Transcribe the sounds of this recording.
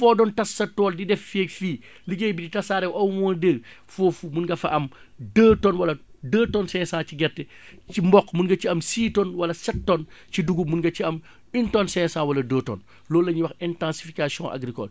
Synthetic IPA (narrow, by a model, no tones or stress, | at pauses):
fɔdɔntɐsːɐtɔːldidɛfːɛkfiː | liɡejbiditɐsaːɾɛwʔɐwmɔndəɡ | fofumunɡɐfɐʔɐm | dəːtɔːnwɐlɐdəːtɔnsɛ̃ːsãːciɡɛrtɛ | cimbɔkːmunɡɐt͡ʃiɐmsiːtɔnwɐlɐsɐtːɔnt͡ʃiduɡumunɡɐciɐm | intɔnsɛ̃ːsãwɐlɐdəːtɔ̰ːn | lɔːlːɐɲiwɐxɛntãnsi̥fikasijɔ̰̃ʔa̰ɡɾikɔ̰l